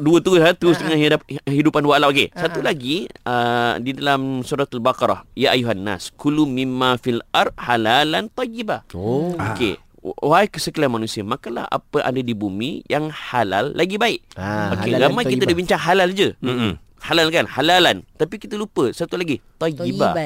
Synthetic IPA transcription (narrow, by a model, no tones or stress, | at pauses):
duət̪əɾʊsat̪əɾʊsdəŋaniaɦidupanduaalapokesat̪ulaɡiədidalamsuɾat̪albakɑɾa̰hjaʔajuɦanːa̰skulumimːafilard̚halalant̪ˤɑjːibahokḛ | wajkəsəkəlanmanusiamakanla̰ha̰pəʔa̰dadibumḭjaŋhala̰lːaɡibaɪʔokkeɣamajkit̪adəbiɲt͡ʃaŋɦalald͡ʒəə | halalkanhalalant̪apikit̪əlupəsat̪ulaɡit̪ˤɑjiba̰